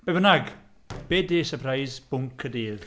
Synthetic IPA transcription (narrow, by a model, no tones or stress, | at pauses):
b̥ebənaɡ | b̥eːdiːsəpʰrajzb̥ʊŋkʰədiːð